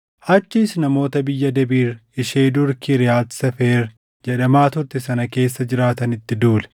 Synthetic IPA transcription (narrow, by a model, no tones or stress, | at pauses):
ʔɐt͡ʃːiːsnɐmo̞ːt̪ɐbɪjːɐd̪ɛbiːɾɪʃeːd̪ʊɾkiɾɪjaːlsɐfeːɾ | d͡ʒɛᶑɐmaːt̪ʊɾt̪ɛsɐnɐke̞ːsːɐd͡ʒɪɾaːt̪ɐnɪt̪ːɪd̪uːlɛ̥